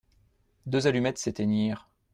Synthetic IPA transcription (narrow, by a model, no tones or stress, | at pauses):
d̪øzalymɛt̪set̪eniːʁ